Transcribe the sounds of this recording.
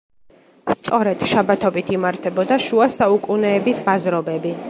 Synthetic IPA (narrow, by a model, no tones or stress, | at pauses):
st̪sʼɔɾɛd̪̥ʃabat̪ʰɔbit̪ʰimaɾt̪ʰɛbɔd̪aʃuasaukʼunɛːbisbazɾɔbɛbi